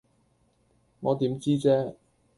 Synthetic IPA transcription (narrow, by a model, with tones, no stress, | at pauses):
ŋɔː˨˧t̪iː˨˥mt͡siː˥t͡sɛː˥